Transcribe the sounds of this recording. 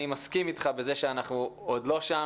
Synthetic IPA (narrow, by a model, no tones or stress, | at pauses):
imaskimit̪χabe̞zeʃeanaχnuod̪lo̞ʃa